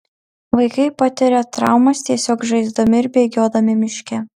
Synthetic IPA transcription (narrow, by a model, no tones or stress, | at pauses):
ʋɐɪkɐɪpɐt̪ʲɛɾʲɛt̪ɾɑ̰ˑʊmɐst̪ʲiɛsʲoːkʒɐɪzd̪omʲɪɪɾʲbʲeɡʲoːd̪ɐmʲɪmʲɪʃʲkʲɛ